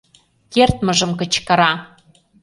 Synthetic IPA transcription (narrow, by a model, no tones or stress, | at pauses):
kert̪mə̆ʒəmkə̆t͡ɕkə̆ɾɑ